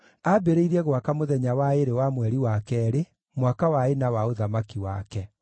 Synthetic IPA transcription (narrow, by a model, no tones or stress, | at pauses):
abeɾeiɾɛɣwakamoðɛɲawaeɾewamwɛɾiwakɛɾe | mwakawaenawaoðamakiwa̰kɛ